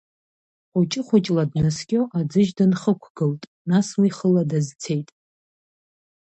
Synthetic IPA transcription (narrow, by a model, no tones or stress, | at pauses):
ʊt͡ʃʼɪχʷʊt͡ʃʼladnɨskʲʼoʔad͡zɨʒdɨnχəkʷʰɡ̥ɨltʼ | naswiχəladazt͡sʰe̞jtʼ